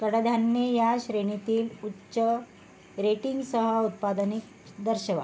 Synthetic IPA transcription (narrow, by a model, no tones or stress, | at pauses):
kəɽad̪ʱanːejaɕɾeɳ̃it̪iːlutːɕə | ɾeʈiŋɡsəɦəut̪̚pad̪nik̚ | d̪əɾɕəʋa̰